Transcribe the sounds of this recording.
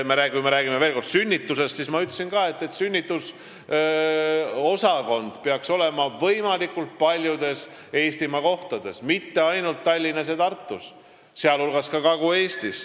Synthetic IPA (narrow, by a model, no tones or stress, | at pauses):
meɾæːkujme̞ɾæːɡ̥imeveːlko̞rd̪̥synʲːit̪ːuse̞st̪sismɑyt̪ːˑsinkɑːe̞t̪ːˑe̞t̪synʲːit̪ˑːus | o̞sɑko̞nd̪̥peɑkso̞le̞mɑvɤjmɑlikːˑult̪̚pɑlʲjud̪̥e̞s | e̞ːst̪imɑko̞ht̪ɑd̪̥e̞smit̪ːe̞ɑjnult̪ːɑlʲːinɑs̬et̪ɑrt̪ːus | seɑlulɡ̥ɑskɑkɑɡue̞ːst̪is